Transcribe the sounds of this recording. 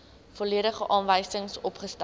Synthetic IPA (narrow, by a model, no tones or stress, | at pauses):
fɔliəɾəχəʔɑːnvəjsəŋsɔpχəst